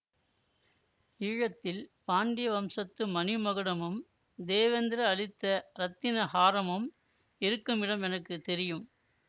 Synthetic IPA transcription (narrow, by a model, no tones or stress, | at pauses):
iːɻɐt̪ːɪlpaːɳɖɪjɐʋɐmsɐt̪ːɯmɐnɪmɐɣɯɽɐmɯm | d̪eːʋɐnd̪ɪɾɐːɭɪt̪ːɐɾɐt̪ːɪnɐhaːɾɐmɯm | ɪɾɯkːɯmɪɽɐmɛnɐkːɯt̪ɛɾɪjɯm